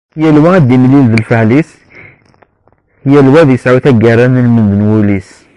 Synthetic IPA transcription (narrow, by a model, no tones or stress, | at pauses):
hjælwæd̪imlilðəlfəʕlis | hjælwæðjəsʕut̪æɡæɾˤanəlmənd̪ənwulis